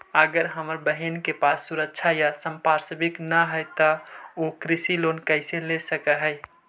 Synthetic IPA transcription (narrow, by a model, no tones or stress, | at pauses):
əɡəɾɦəməɾbəɦinkepasːuɾəkt͡ʃʰajasəmpaɾsəbɪknəɦəjt̪əokɾɪsilonkəɪselesəkəɦəɪ